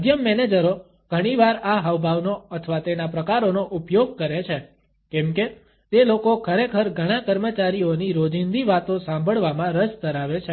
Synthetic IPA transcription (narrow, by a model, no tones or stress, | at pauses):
əd̪ʱjəmːɛned͡ʒəɾo | ɡ̥ʱəɽ̃iʋaɾaɦəʋbʱaʋnoət̪ʰəʋat̪enapɾəkaɾonoʔupjoɡ̚kəɾet͡ʃʰe | kɛ̃mke | t̪elokokʰəɾekʰəɾɡʱəɽ̃ãkəɾmət͡ʃaɾioniɾod͡ʒind̪iʋat̪õsãmbʱəɭʋamãɾəst̪əɾaʋet͡ʃʰe